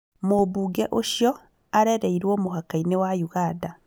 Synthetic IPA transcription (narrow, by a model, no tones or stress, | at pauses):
mobuːɡɛʔoʃjɔ | aɾɛɾɛiɾwɔmoɦakainewajuɣada